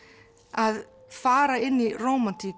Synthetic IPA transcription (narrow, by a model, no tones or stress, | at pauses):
að | faːɾaɪnːirowmant̪ʰik